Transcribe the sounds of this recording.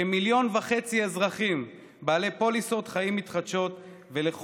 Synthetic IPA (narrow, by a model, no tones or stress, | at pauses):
emiljo̞nvaχe̞t͡siezʁaχim | baːle̞po̞liso̞t̪χaimːit̪χad̪ʃo̞t̪ | veleχ